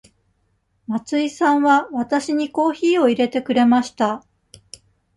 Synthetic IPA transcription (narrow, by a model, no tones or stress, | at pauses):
mat͡sɨisãβaβat̪aɕiɲ̟iko̞ːçiːo̞iɾe̞t̪e̞kɯ̟ɾe̞maɕi̥t̪a